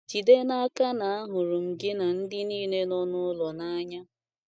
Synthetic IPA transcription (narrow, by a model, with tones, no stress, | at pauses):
d͡ʒi˨de˦na˦ka˦na˨a˦ɦʊ˨ɾʊ˨ŋ̩˨ɡɪ˦na˨n̩˦dɪ˦niː˦ne˦nɔ˦nʊ˦lɔ˨na˦a˦ɲa˦